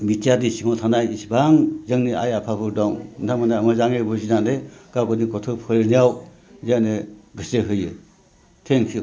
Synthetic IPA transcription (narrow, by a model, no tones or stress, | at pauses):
mitjadisiŋʰɔtʰanajisbaŋzɯŋnia̰japʰabʰɯdɔŋndʰamanaamɯzaŋebɯzinandekaɡɯnikɔtʰɯpʰɯɾnijaw | zaneɡɯseɦɯjɯ | tʰeŋkʰi